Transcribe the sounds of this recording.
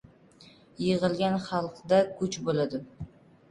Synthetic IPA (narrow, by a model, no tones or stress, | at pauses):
jɪʁɨlˠɡʲanχɑlˠqd̪akʰʊt͡ʃbolad̪ɪ